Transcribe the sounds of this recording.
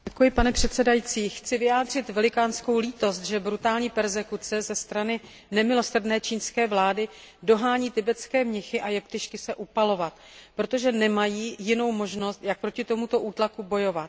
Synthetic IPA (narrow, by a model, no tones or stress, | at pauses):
ɛkujɪpanɛpr̝̥ɛt̪sɛdajit͡siːxt͡sɪvɪjaːd̪r̝ɪt̪vɛlɪkaːnsko̞wliːt̪o̞st̪ʒɛbɾut̪aːlɲiːpɛɾzɛkut͡sɛzɛst̪ɾanɪ | nɛmɪlo̞sr̩dnɛːt͡ʃiːnskɛːvlaːdɪ | do̞ɦaːɲiːt̪ɪbɛt͡skɛːmɲɛxɪʔajɛpt̪ɪʃkɪsɛʔupalo̞vat̪ | pɾo̞t̪o̞ʒɛnɛmajiːjɪno̞wmo̞ʒno̞st̪jak̚pɾo̞cɪt̪o̞mut̪o̞ʔuːt̪lakubo̞jo̞vat̪̚